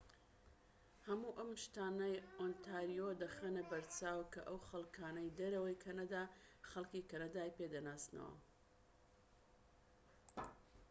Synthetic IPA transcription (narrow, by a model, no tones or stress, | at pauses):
hɐmuːʔɐmʃt̪aːnɐjont̪ʰaɾijod̪ɐχeːnɐbɐɾt͡saːwkɐʔɐwxɐlˠkʰaːnɐjd̪ɐɾɐwɐjkʰɐnɐd̪aːχɐlkiːkɐnɐd̪aːjped̪ɐnaːst̪nɐ̰wɐ̰